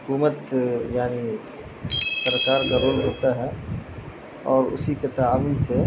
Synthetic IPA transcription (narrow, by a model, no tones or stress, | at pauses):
ɦʊkuːmət̪jaːni | səɾkaːɾɡɐɾoːlɦoːt̪aɦɛ | ɔːɾʊ̰siket̪aaːʋiːnse